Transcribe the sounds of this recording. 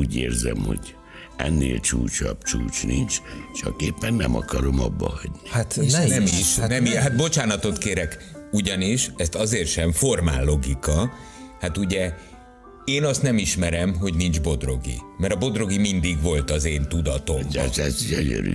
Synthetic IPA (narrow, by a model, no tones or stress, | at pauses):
uːɟeːrzɛmhoɟ | ɛnːeːlt͡ʃuːt͡ʃɒbt͡ʃuːt͡ʃnint͡ʃt͡ʃɒkeːpːɛnːɛmɒkɒɾomɒbːɒhɒɟnihat̪nnɛmiʃnɛmiɦat̪̚bo̞t͡ʃaːnɒt̪o̞t̪keːɾɛkuɟɒniʃɛst̪ɒzeːrt̪ʃɛɱfo̞rmaːlːo̞ɡikɒ | hat̪uɟɛ | eːnɒst̪nɛmiʃmɛɾɛmɦo̞ɟnind͡ʒbo̞d̪ro̞ɡḭmɛɾɒbo̞d̪ro̞ɡimind̪iɡʋo̞lt̪ɒzeːnt̪ud̪ɒt̪o̞mt̪ɛsiɛɲøɾy̰